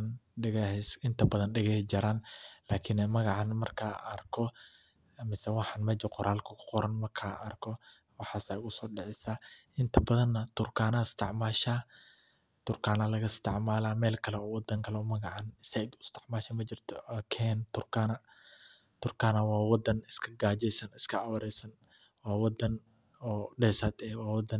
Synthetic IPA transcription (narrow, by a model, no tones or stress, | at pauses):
nɖɪɣɛsɪnt̪ʰɐbɐðɐnɖɪɣɛd͡ʒɐɾaːnlaːkʰɪnmɐɣɑʕɑnmɐrkʰaɐrkʰɔ | mɪsɛwɑħɑnmɐd͡ʒɪqɔɾʔaːlkʰɐkʰʊ̥qɔɾɐnmɐrkʰaːɐrkʰɔ | wɑħɑːsaʊɣʊsɔːɖɛʕɛsaʔɪnt̪ʰɐbɐðɐnːɐt̪ʰʊrkʰaːnɐɪst̪ʰɪʕmaːʃaː | t̪ʊɾkaːnalɐɣɐst̪ʰɐʕmaːlamɛːlkʰɐlɐɔwɔd̪ɐŋkʰɐlɐɔmɐɡɐʕanɪsɐjd̪ʊst̪ʰɐ̥ʕmaːʃɐmɐd͡ʒɪɾt̪ʰɔkʰent̪ʊɾkaːna | t̪ʊɾkaːnawaːwɔd̪ɐnɪskʰɐɡaːd͡ʒɛsɐnɪskʰɐawɐɾɛsɐn | waːwɔd̪ɐn | ɔɗɛsɐt̪ʼɛwaːwɔd̪ɐ